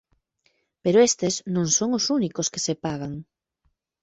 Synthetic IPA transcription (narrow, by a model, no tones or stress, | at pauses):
peɾoest̪eznõŋsoŋosunikoske̥sepaɣaŋ